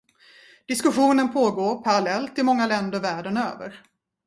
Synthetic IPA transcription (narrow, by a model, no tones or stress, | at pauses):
d̪̥ɪskɵɧuːnənpʰoːɡoːɾpʰaɾalɛlt̪ɪmɔŋːalɛnd̪əɾvæːɖənø̰ːvə̰ɾ